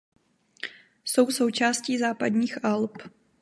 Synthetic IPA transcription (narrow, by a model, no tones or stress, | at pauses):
so̞wso̞wt͡ʃaːsciːzaːpadɲiːxʔalp